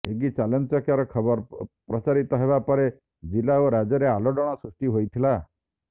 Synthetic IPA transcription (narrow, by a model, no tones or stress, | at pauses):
eɡit͡ʃalɔnt͡ʃɔkjaɾɔkʰɔbɔɾpɾɔt͡ʃaɾit̪ɔɦebapɔɾe | d͡ʒilaoɾad͡ʒɔɾealɔɖɔɽ̃ɔsɾusʈiɦojt̪ʰila